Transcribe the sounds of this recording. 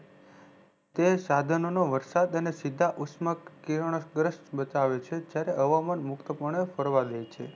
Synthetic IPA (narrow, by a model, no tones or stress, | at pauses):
t̪esad̪ʱənonoʋəɾsad̪ənesid̪ʱːaʔusməkːiɾəɳ̃əsɡɾəʃʈbət̪aʋet͡ʃʰed͡ʒjaɾeʔəʋamanmʊkt̪əpuɾɳ̃efəɾʋad̪ejt͡ʃʰḛ